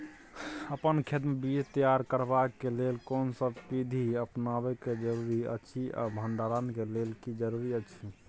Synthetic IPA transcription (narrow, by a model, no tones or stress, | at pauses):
əpənkʰed̪mebid͡ʒt̪əjaɾkəɾbakːelelkonsəbpid̪ʱiəpnabɛked͡ʒəɾuɾiə̰t͡ʃʰiʔa̰bʱəɳɖaɾankelelkid͡ʒəɾuɾiət͡ʃʰi